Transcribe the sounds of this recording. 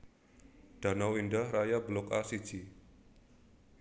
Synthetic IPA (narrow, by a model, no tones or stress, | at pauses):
d̥a̤nawindahrajabəlɔkasid̥d͡ʒ̥i